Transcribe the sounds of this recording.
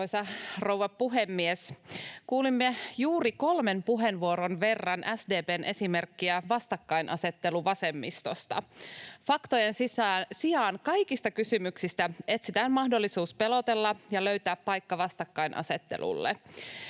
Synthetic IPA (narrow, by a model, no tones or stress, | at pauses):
oisɑrowʋɑppuɦemːieskuːlimːejuːriko̞lmenpuɦenʋuoɾonʋe̞rːɑnʔæsde̞ːpeːnʔe̞simerkːiæʋɑst̪ɑkːɑinʔɑ̰se̞t̪ːe̞luʋɑsemːist̪o̞st̪ɑ̰fɑkt̪ojensisɑːnsiɑːnkɑikist̪ɑkysymyksist̪æe̞t̪sit̪æːnmɑhdo̞lːisuːspe̞lot̪e̞lːɑjɑløɥt̪æːppɑjkːɑʋɑst̪ɑkːɑjnʔɑ̰se̞t̪ːḛlṵlːḛ